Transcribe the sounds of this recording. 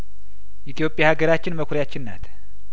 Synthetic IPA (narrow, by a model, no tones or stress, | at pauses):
ʔit̪ʰjo̞pʼjahaɡəɾat͡ʃːɪnməkʷʰɾjat͡ʃːɪnːa̰t̪ʰ